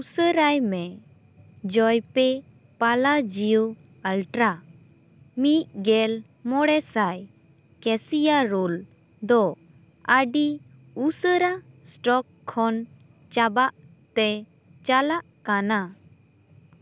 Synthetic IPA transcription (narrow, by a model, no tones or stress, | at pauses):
usəɾajmɛ | d͡ʒɔjpɛ | palad͡ʒiju | əlʈɾa | mit̚ɡɛl | mɔɽɛsaj | kɛsijaɾul | d̪ɔ | əɖi | usəɾa | sʈɔkʰːɔn | t͡ʃabaʔ | t̪ɛ | t͡ʃalaʔkana